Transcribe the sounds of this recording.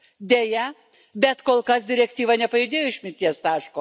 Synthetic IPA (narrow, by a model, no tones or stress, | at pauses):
d̪ʲejɛ | bʲɛt̪koːlˠkɐs̬d̪ʲɪɾʲɛkʲt̪ʲiːʋɐnʲɛpɐjʊd̪ʲeːjoːɪʃʲmʲɪnʲt̪ʲiɛst̪ɑːʃkoː